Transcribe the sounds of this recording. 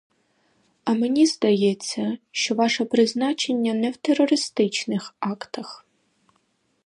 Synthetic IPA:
ɐmenʲizd̪ɐjɛt͡sʲːɐʃt͡ʃɔʋɑʃɛpɾɪznat͡ʃenʲːɐnɛwt̪erːɔɾɪst̪ɪt͡ʃnɪxɑkt̪ɐx

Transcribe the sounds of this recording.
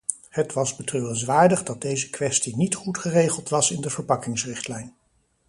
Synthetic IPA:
hətʋɑzbətrøːrəns̬ʋaːɹdəχdɑd̚dejzəkʋɛstinitχutχərejχəlˠtʋɑsɪndəvəɹpɑkɪŋsrɪχtlɛjn

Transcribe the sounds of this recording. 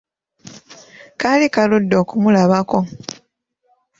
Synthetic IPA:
kalikaludːoːkumulaβako̞

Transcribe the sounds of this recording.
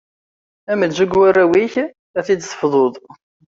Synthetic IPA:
æməd̪zuɡwarːæwiç | æθid̪sˤə̥fðˤoðˤ

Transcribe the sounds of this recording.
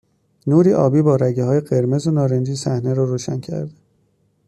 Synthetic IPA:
nuːɾiːʔɒːbiːbɒːɾæɟeɦɒːjeɢe̞ɾme̞zonɒːɾend͡ʒiːsæhneɾɒːɾoːʃæncʰæ̰ɾd̪e

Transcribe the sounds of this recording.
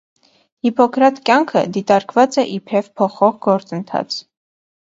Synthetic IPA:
hipɔkʰɾɑt̪kjɑŋkʰə̰d̪it̪ɑɾkvɑt͡sɛʔipʰɛvpʰɔχɔʁɡɔɾt͡sənt̪ʰɑ̰t͡sʰ

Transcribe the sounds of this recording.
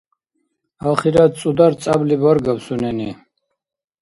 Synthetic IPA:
aχiɾat͡s̪ʼud̪aɾt͡sʼablibaɾɡapsunɛni

